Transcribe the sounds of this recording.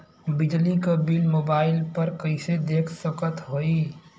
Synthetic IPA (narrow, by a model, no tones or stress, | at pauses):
bɪd͡ʒlikabilmoːbaːɪlpəɾkəɪsed̪eːkʰsəkət̪ɦoi